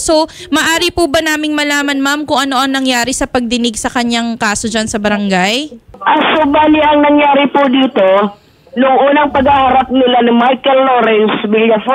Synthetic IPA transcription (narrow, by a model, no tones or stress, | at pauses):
so | mɐʔaːɾɪpubɐnaːmɪŋmɐlaːmɐnmamkʊŋʔɐno̞ʔɐŋnɐŋjaːɾɪsɐpɐɡ̚d̪ɪnɪɡsɐkɐɲaŋkaːso̞d͡ʒansɐbɐɾɐŋɡajʔɐŋsʊbaːlɪʔɐŋnɐŋjaːɾɪpʊd̪iːt̪o | nʊŋʔuːnɐŋpɐɡahaɾap̚nɪlanɪmajkɛlːoːɾɛnswiljɐf